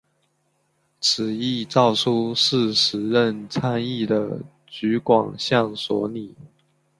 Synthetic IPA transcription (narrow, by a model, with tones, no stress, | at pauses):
ʈ͡ʂ̩ʰ˨˩i˥˧t͡sɑ˥˩ʊʈ͡ʂʰu˥ʂɻ̩˥˩ʂɻ̩˨˥ɻə˥˩nt͡sʰa˥ni˥˩d̪ə˩ | t͡ɕy˧˥kwɑ˨˩ŋɕjɑ˥˩ŋswɔ̰˧˥ni˨˩˦